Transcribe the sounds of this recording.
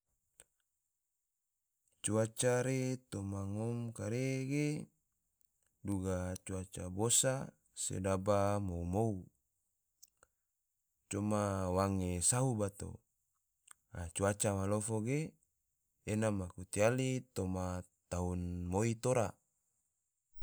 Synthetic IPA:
t͡ʃuat͡ʃaɾet̪omaŋomkaɾeɡe | duɡat͡ʃuat͡ʃabosa | sḛdabamoumou | t͡ʃomawaŋesaɦubat̪o̰ | at͡ʃuat͡ʃamalofoɡeː | namakut̪ialit̪oma | t̪aunmoit̪oɾa

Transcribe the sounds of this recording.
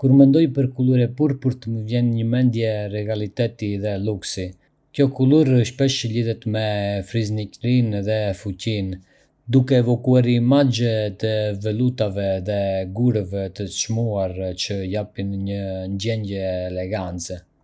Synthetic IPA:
kuɾmɛnd̪ɔjpəɾkuluɾɛpuɾpuɾt̪əməvjɛnɲəmɛnd̪jɛɾɛɡalit̪ɛt̪iðɛluksi | kjɔkuluɾəʃpɛʃəliðɛt̪mɛfɾiznicɾinðɛfucin | d̪ukɛːvɔkuaɾiːmad͡ʒɛt̪əvɛlut̪avɛðɛɡuɾəvɛt̪əʃmuaɾt͡ʃəjapinɲənd͡ʒɛɲɟɛːlɛɡant͡sɛ

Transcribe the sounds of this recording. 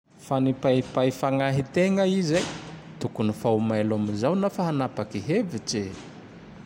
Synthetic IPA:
fanipaipaifaŋaɦit̪eŋəizajt̪ukunifawmalamizawnafaɦanapakiɦevit͡ʃe

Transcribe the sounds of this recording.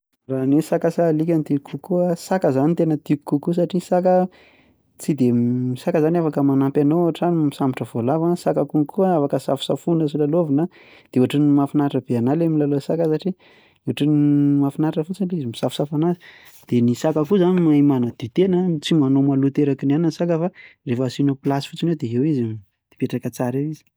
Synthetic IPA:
ranesakasalikʲanit̪iukʰːukuasakəzanit̪enət̪iukːukus̬aʈ͡ʂisakə | t͡sid̪emisakəzaniafakəmanampʲanouaʈ͡ʂanimisamiʈ͡ʂəvolavasakakuŋkuaafakəsa̰fu̥safunəsilalovinə | d̪̥euaʈ͡ʂunimafinaʈ͡ʂəb̥eanalemilalosakəsaʈ͡ʂi | eɦaʈ͡ʂinimafinaʈ͡ʂəfut͡sinleizimisafusafanazi̥ | d̪̥enisakakuzanimaimanəd̪̥it̪enət͡simanomalut̪eɾakinanansakəfarefəsinoplasi̥fut͡sinewd̪eewizi | d̪̥e̥peʈ͡ʂakat͡saɾewizi̥

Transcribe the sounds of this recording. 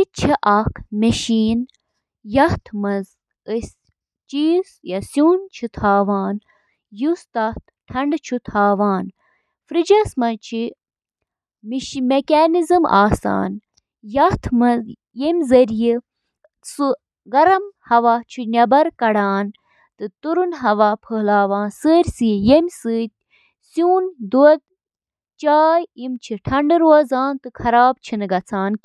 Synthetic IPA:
it͡ʃʰiʔɐkʰmɐʃiːn | jɐht̪ʰmɐz | ɨsʲ | t͡ʃiːzjɐsjuːnt͡ʃʰit̪ʰaːʋaːn | just̪ɐt̪̚ʰ | ʈʰɐɳɖt͡ʃʰut̪ʰaːʋaːn | fɾid͡ʒɐsmɐt͡ʃʰi | mimekʲaːnizɨmʔa̰ːsa̰ːn | jɐt̪ʰmɐ | jemʲzɐɾiji | su | ɡɐɾɐmhɐʋaːt͡ʃʰinʲɐbɐɾkɐɽaːn | t̪ɨt̪uɾunɦɐʋaːpʰəːlaːʋãːnsəːɾʲsijemʲsɨːt̪̚ʲ | sjuːnd̪uɐd̪ | t͡ʃaːjimt͡ʃʰiʈʰɐɳɖɨɾoːzaːnt̪ɨkʰɐɾaːb̚t͡ʃʰinɨɡɐt͡sʰaːnkʲi

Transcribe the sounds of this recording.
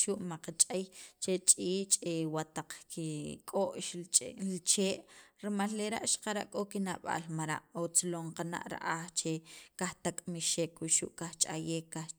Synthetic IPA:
ʃuʔmaqat͡ʃʼejt͡ʃet͡ʃʼiːt͡ʃʼewat̪aq͡χkikʼoʔʃlt͡ʃeːʔɾimalːeɾa̰ʔʃḁqaɾa̰ʔkʼokina̰ɓa̰lmaɾa̰ʔot͡sloɴqana̰ʔɾa̰ʔaxt͡ʃekaxt̪akʼmiʃekwiʃṵʔkaxt͡ʃʼajeːkːa

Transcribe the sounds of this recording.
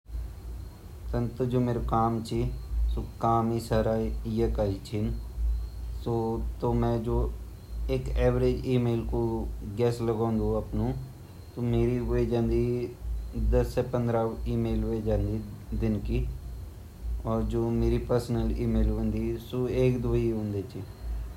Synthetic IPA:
sənt̪od͡ʒoːmeːɾokaːmt͡ʃiːsoːkaːmiːsaːɾaːɪjəkaːiːt͡ʃʰɪn | soːt̪oːmɛ̃ːd͡ʒoː | ɪkɛːʋɾeːd͡ʒiːmeːlkoːɡɛːsləɡãːnd̪oːəpnũː | t̪oːmeːɾiːɦʊid͡ʒãːnd̪iː | d̪əsːɛːpə̃nd̪ɾaːiːmeːlɦoeːd͡ʒãːnd̪iː | d̪ɪnkiː | ɔːɾd͡ʒoːmeːɾiːpəɾsənəliːmeːlə̃nd̪iːsoːeːkd̪ʊiɦʊ̃ːnd̪eːt͡ʃiː

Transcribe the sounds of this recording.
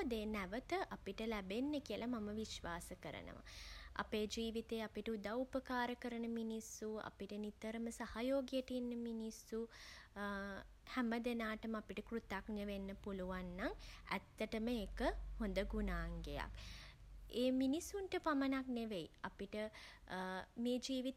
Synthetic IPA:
d̪eːnæʋət̪əʔapiʈəlæbenːəkiəlɐmaməʋiʃʋaːsəkəɾə̰nə̰ʋa̰ʔa̰peːd͡ʒiːʋit̪eːapiʈəud̪aupəkaːɾəkəɾənəminisːua̰piʈənit̪əɾəməsahajoːɡijəʈinːəminisːu | hɛməd̪enaːʈəməapiʈəkrut̪aknəʋenːəpuluʋanːaŋæ̰t̪ːəʈəməeːkəhond̪əɡunaːŋɡeja̰k | eːminisːunʈəpamənakneʋeiapiʈə | meːd͡ʒiːʋit̪

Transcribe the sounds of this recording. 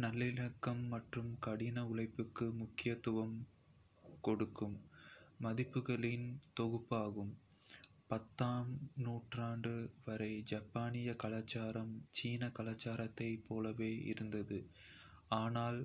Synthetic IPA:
nɐlːɪlɐkːɐmːɐʈrɯmkɐɽɪnɐʊɭɐɪpːɯkːɯmʊkːɪjɐt̪ːʊʋɐm | kɔɽɯkːɯmː | ɐðɪpːɯɣɐɭɪnt̪ɔɣɯpːaːɣɯm | pɐt̪ːaːmnuːʈraːɳɖɯʋɐɾɐɪd͡ʒɐpːaːnɪjɐkɐlaːt͡ʃːaːɾɐmt͡ʃiːnɐkɐlaːt͡ʃːaːɾɐt̪ːɐɪpʰːoːlɐʋeːʔɪ̰ɾɯnd̪ɐðɯ | aːnaːl

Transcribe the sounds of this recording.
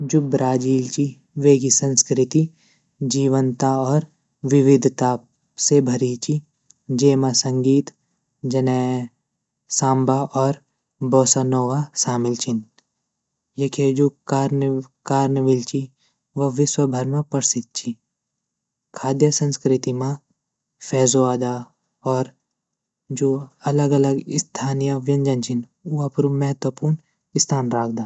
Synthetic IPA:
d͡ʒubɾaːd͡ʒiːlt͡ʃi | ʋeːɡisɐ̃nskɾɪt̪i | d͡ʒiːʋənt̪aɔːɾ | ʋɪʋɪd̪ʱt̪aː | sebʱɐɾit͡ʃi | d͡ʒeːmasɐ̃ŋɡiːt̪ | d͡ʒɐnɛː | sãːmbaʔɔːɾ | bɔːsanɔːʋaʃaːmɪlt͡ʃʰɪn | jekʰed͡ʒoːkaːɾnkaːɾnəʋɪlt͡ʃʰi | ʋɐʋɪswəbʱɐɾmapɐɾsɪt̪̚t͡ʃʰi | kʰaːd̪jəsə̃nskɾɪt̪imã | pʰɛːzoaːd̪a | ɔːɾ | d͡ʒoːɐləɡɐləɡɪst̪ʰaːnijəʋjɐ̃nd͡ʒɐnt͡ʃʰin | uapɾumɛɦət̪wəpuːɾn | ɪst̪ʰaːnɾaːk̚ʰd̪aː

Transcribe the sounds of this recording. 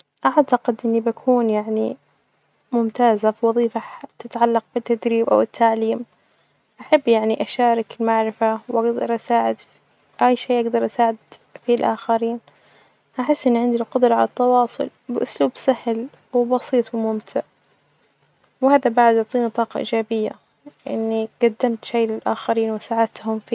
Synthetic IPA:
ʔaʕt̪aqɪd̪ʔɪnːibakʰuːnjaʕnḭ | mʊmt̪aːzafiwɑðˤiːfat̪ɪt̪ʕalːɑq̚bɪt̪ːad̪ɾiːbʔa̰wɪt̪ʰːaʕliːm | ʔaħabːjaʕniʔaʃaːɾˤɪkɪlmaʕɾɪfawʔaɡd̪ɑ̰ɾˤʔasaːʕɪd̪ | ʔajʃeːʔaɡd̪ɑɾˤʔasaːʕɪd̪filʔa̰ːxaɾiːn | haħɪsːʔɪnːʕɪnd̪ilqʊd̪ɾˤɑʕalat̪ːɑwɑːsˤʊ̰l | bɪʔʊsluːbsahl | wɪbɑsiːt̪ˤwɪmʊmt̪ʰɪʕ | wɪhaːðabaʕd̪jʊʕt̪ˤiːnit̪ˤɑːqɑʔḭːd͡ʒaːbɪjːa̰ | ʔɪ̰nːiɡ̥ad̪ːamt̪ʃajlɪlʔaːxaɾiːnwɪsaʕad̪̚t̪hʊmfiː

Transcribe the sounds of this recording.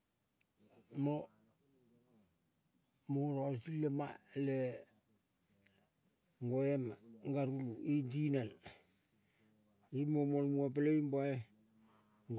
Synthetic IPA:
mo | moɾasilemale | ŋɡoemŋɡaɾuluidinan | imomolmuap̬eleimboae | ɡ

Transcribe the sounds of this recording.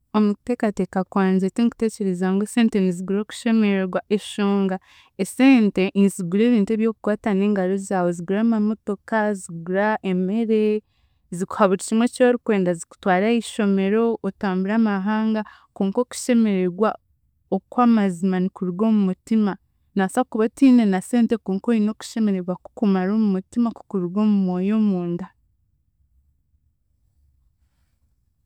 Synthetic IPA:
o̞mute̞ːkate̞kakwaːnzetiniku̥te̞ːce̞ɾezaŋɡoese̞ːnte̞niziɡuɾo̞ːku̥ʃe̞me̞ɾeɾɡwaʔeʃoːŋɡa | ese̞ːnte̞niziɡuɾe̞ːβiːntueβjo̞ku̥kwaːtane̞ːŋɡaɾo̞zaːwo̞ziɡuɾaːmamo̞to̞kaziɡuɾaeme̞ɾe̞ | ziku̥haβuɾicimwe̞coːɾikwe̞ːndaziku̥twaːɾaiʃo̞me̞ɾo̞ːtaːmbuɾaːmaɦaːŋɡa | koːŋko̞ku̥ʃe̞me̞ɾe̞ɡwa | okwaːmazimanikuɾuɾɡo̞ːmumutima | nasakuβatiːne̞nase̞ːnte̞koːŋkoino̞ku̥ʃe̞me̞ɾe̞ɾɡwaku̥kumaɾoːmumutimaku̥kuɾiɾɡo̞ːmumo̞ːjo̞muːnda

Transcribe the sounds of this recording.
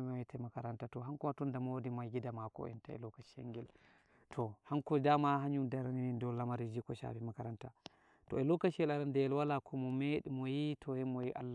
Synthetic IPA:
maitɛmakaɾantatɔɦaŋkɔmatɔndamwodimaɡidamakɔ̰ɛ̰ntaɛ̰lɔkaʃɛ̰ŋɡɛl | tʰɔhaŋkɔd͡ʒamahaɲumdaɾaninindɔlamaɾid͡ʒikɔʃa̰bɛmakaɾanta | tɔɛlɔkaʃlaɾandɛɛlwalakʰɔmɔmeɗimɔjitʰɔhɛmɔjiʔa̰lː

